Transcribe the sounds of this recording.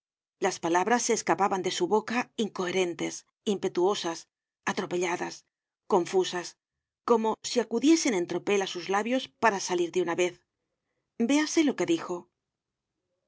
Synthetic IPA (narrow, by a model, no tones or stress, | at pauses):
laspalaβɾasːeːskapaβand̪e̞suβo̞kaiŋko̞e̞ɾe̞nt̪e̞s | impe̞t̪uo̞sas | at̪ɾo̞pe̞ʎaðas | ko̞ɱfusas | ko̞mo̞siakuðje̞se̞ne̞nt̪ɾo̞pe̞lasuzlaβjo̞spaɾasaliɾðeunaβe̞θ | be̞ase̞lo̞ke̞ðixo̞